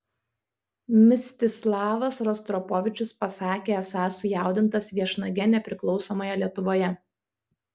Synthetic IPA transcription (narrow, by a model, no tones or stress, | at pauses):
mʲɪsʲt̪ʲɪslˠɑːʋɐsɾɔst̪ɾɔpɔʋʲɪt͡ʃʲʊspɐsɑːkʲeːɐsɑːsʊjæˑʊd̪ʲɪnt̪ɐsʋʲiɛʃnɐɡʲɛnʲɛpʲɾʲɪklˠɒʊsɔːmoːjɛlʲiɛt̪ʊʋoːjɛ